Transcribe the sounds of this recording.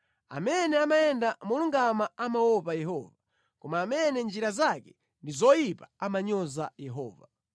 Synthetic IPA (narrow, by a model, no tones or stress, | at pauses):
a̰mɛnɛamaɛndamuluŋɡamaamawɔpajɛhɔːva | kɔmaːmɛnɛnd͡ʒiɾazakɛ̥ | ndizɔjipaamaɲɔzajɛɦɔ̰ːva